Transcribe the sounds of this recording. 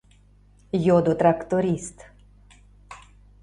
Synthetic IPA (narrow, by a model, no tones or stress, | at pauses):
jod̪ot̪ɾakt̪oɾist̪